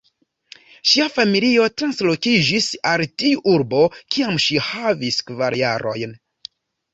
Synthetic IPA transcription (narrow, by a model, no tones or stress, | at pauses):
ʃiafamilio̞tɾanslo̞kid͡ʒisaltiuʔuɾbo̞kiamʃihaviskvaɾjaɾo̞jn